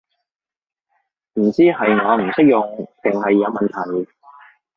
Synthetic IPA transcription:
m̩˨˩t͡siː˥hɐ˨jŋɔː˨˧m̩˨˩sɪ˥k̚jʊ˨ŋt̪ɪ˨ŋhɐ˨jːɐ˨˧wmɐ˨nt̪ʰɐ˨˩j

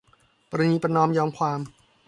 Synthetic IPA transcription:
pɔ˧ɾa˧niː˧pɾa˧nɔː˧mjɔː˧mkʰwaː˧m

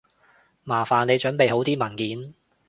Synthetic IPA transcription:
maː˨˩faː˨˩nle˨˧jt͡ʃɵ˨˥npe˨jɦo˨˥wt̪iː˥mɐ˨˩nkiː˨˥n

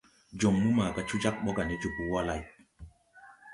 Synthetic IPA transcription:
d͡ʒo˨mːu˦ma˨ka˦t͡ʃu˦d͡ʒa˦k̚ɓɔ˦ɡa˨ni˦d͡ʒu˨bu˦wa˦la˨j

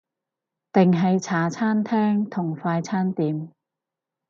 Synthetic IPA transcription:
t̪ɪ˨ŋɦɐ˨jt͡sʰaː˨˥t͡sʰaː˥nt̪ʰɛː˥ŋt̪ʰʊ˨˩ŋfaː˧jt͡sʰaː˥nt̪iː˨˧m

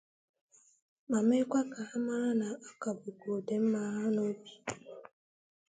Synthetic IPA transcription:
ma˨me˦kʷa˦ka˨a˦ma˦ɾa˦na˨a˦ka˨bʊ˨ɡo˨de˨m̩˦ma˨˦ɾa˦no˦bi̥˦

